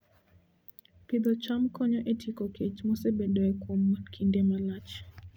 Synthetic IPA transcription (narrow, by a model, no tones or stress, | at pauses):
pid̪ɔt͡ʃamkɔɲɔʔetʰikɔket͡ʃmɔsebedɔɛkwɔmkʰindemalat͡ʃ